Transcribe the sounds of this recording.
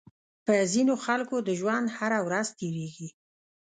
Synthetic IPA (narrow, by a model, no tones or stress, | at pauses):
pəzinoxalkod̪əʒwand̪haɾawɾazt̪eɾeɡi